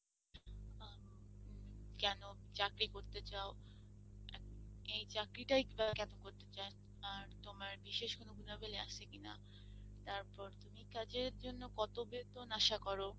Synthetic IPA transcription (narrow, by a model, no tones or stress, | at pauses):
a | kɛnot͡ɕakɾikoɾt̪et͡ɕao | ɛejt͡ɕakɾiʈajbakɛnokoɾt̪et͡ɕae | aɾt̪omaɾbiʃeʃkonoɡʱunabeleaʃʰekina̰ | t̪aɾpɔɾt̪umikad͡ʑeɾd͡ʑonːokɔt̪obet̪onaʃakɔɾo